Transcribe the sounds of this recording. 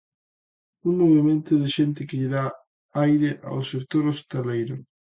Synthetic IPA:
uŋmoβemẽnt̪ʊðɪʃent̪ɪkɪʎɪða | ajɾɪʔa̰wsek̚t̪oɾost̪elejɾʊ

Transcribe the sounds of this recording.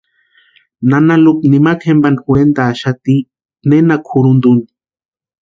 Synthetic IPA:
nanaluknimakhembankwend̪aːʃat̪i | nenakʰuɾund̪uni

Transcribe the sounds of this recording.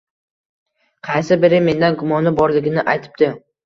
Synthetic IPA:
qʰɑjsɪbɪɾɪme̞nd̪anɡʊmɒnɪbɒɾlɪɡʲɪnɪʔajt̪ʰɪ̥p̚t̪ɪ

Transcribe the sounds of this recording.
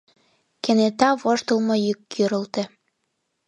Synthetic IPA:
kenet̪ɑβoʃt̪ə̆lmɤjykːyɾə̆lt̪ĕ

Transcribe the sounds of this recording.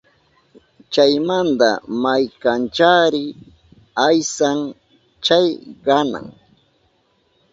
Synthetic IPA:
t͡ʃajmand̪a̰majkant͡ʃaːɾɪ | ajsaŋ | t͡ʃajɢɑna̰ŋ

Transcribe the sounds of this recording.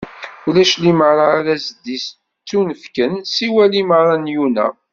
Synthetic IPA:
ulæʃliməɾˤɑɾæzəd̪ːis | t͡sːunəfkənsiwæliməɾˤɑnjunæ̰

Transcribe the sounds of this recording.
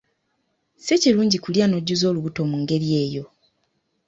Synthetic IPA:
seciluːɲɟikuljano̞ɟːuzo̞ːluβuto̞muŋɡe̞ɾje̞ːjo̞

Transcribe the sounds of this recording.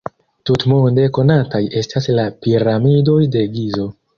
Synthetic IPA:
tutmonde̞ko̞nataje̞staslapiɾamido̞jde̞ɡizo̞

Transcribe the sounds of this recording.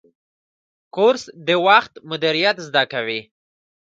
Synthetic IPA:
koɾsd̪əwaxt̪mʊd̪ɪɾijat̪zd̪akawi

